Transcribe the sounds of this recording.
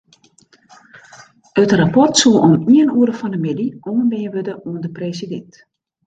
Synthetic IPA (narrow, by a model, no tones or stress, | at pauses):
ətrapɔrtsulˠʔɔmiənuəɾəfɔndəmɪdiʔoməbeːənʋødəʔuəndəpreːsidɛnt